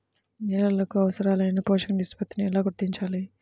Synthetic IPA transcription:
nɛlɐlɐkuɐʋɐsɐɾaːlɐjnɐpɔːʃɐkɐnɖisʈpɐt̪ːiniɛlaːɡuɾt̪iɲt͡ʃaːli

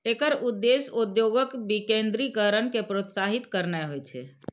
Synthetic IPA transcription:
ekəɾud̪ːesud̪joɡəkbikend̪ɾikəɾənkepɾot̪saɦit̪kəɾnɛɦojt͡ʃʰɛ̰

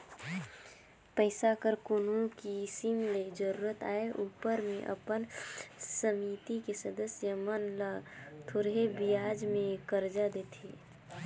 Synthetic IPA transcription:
pəɪsakəɾkonokisimled͡ʒəɾuːɾət̪aːeʔuːpəɾmẽʔə̰pənsəmit̪ikesəd̪əsjəmənlat̪ʰoɽɦebijaːd͡ʒmẽkəɾd͡ʒad̪eːt̪ʰe

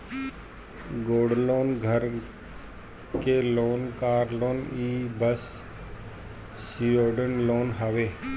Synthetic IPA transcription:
ɡoːɽloːnɡʱəɾ | keloːnkaːɾloːniːbəs | sioːɖənloːnɦaʋeː

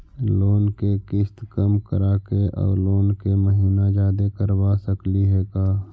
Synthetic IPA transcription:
loːnkekɪst̪kəmkəɾaːkeʔɔ̰ːɾloːnkeməɦiːnad͡ʒaːd̪ekəɾwasəkliɦɛːkaː

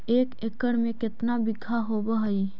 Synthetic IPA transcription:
eːkekəɽmẽkɪt̪nabɪɡʱaɦoːbəɦəi

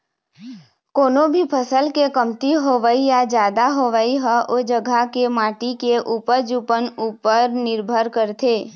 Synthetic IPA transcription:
koːnobʱipʰəsəlkekəmt̪iɦoʋəijad͡ʒjaːd̪aɦoʋəiɦɛʔod͡ʒəɡʱakemãːʈikeʔuːpəɾd͡ʒuːpənuːpəɾnɪɾbʱəɾkəɾt̪ʰeː

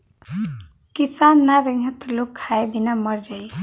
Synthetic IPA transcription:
kisanːaɾiŋɡʱət̪lokʰːaebʱinaməɾd͡ʒaj

